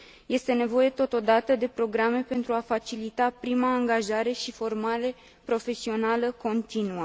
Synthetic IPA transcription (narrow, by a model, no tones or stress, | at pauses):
je̞st̪e̞ne̞vo̞je̞t̪o̞t̪o̞d̪at̪əd̪e̞pɾo̞ɡɾame̞pe̞nt̪ɾuafat͡ʃilit̪apɾimaːŋɡaʒaɾe̞ʃifo̞rmaɾe̞ | pɾo̞fe̞sio̞naləko̞nt̪inuə